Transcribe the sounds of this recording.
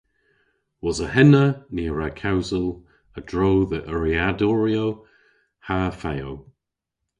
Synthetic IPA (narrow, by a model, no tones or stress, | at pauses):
wɔzəɦɛnəniːəɹakʰawzəlˠ | ədɹoːðəʔəɹiadɔɹio | hafajow